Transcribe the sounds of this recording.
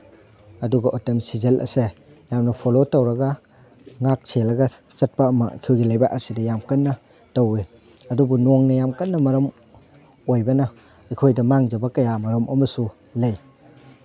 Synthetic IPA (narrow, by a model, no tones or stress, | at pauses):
ɐduɡɐʔotemsizelʔɐ̰se | jamnɐpʰolotowɾɐɡɐ | ŋak̚selɐɡɐ | sɐt̚pɐːmɐ̰kʰojɡilɐjbaʔɐsidɐjamkɐnːɐ | towe | ɐdubunoŋnɐjamkɐnːɐmɐɾɐm | ojbɐnɐ | ikʰojdɐmaŋd͡ʒɐbɐkɐjamɐɾɐmʔɐmɐsu | lɐj